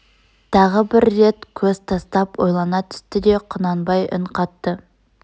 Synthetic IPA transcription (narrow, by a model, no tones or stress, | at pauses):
t̪ʰɑʁəbɪɾːe̞t̪kʲʰɵz̥t̪ʰɑst̪ɑpwo̞jlˠɑnɑt̪ʰʏ̥st̪ɪd̪e̞qʰʊnɑnbɑjʔɪ̰ɴqʰɑt̪ːə